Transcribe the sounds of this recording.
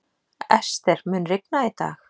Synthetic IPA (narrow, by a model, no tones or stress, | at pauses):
ɛst̪ɛɾ̥mʏːnrɪk̚nait̪a̰ːx